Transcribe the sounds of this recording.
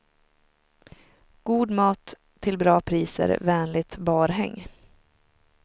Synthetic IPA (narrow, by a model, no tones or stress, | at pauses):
ɡ̥uːd̪mɑːt̪ʰː | ɪlbɾɑːpʰɾiːsə̰ɾvɛːnlɪt̪bɑːɾɦɛ̰ŋː